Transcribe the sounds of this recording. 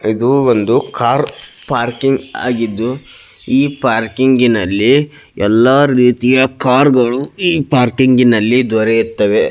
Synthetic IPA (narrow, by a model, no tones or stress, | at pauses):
id̪uond̪ukaːɾ | paːɾkiŋɡa̰ːɡid̪ːu | iːpaːɾkiŋɡinɐlːi | ɛlːaɾiːt̪ijɐkaːɾɡɐɭuiːpaːɾkiŋɡinɐlːid̪ʋɐɾeiɾt̪ːɐʋe̞